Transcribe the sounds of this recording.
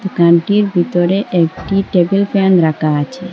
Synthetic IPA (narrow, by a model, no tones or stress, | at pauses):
t̪ukãɳʈiɾbit̪oɾeʔek̚ʈiʈebilpʰenɾakat͡ʃʰe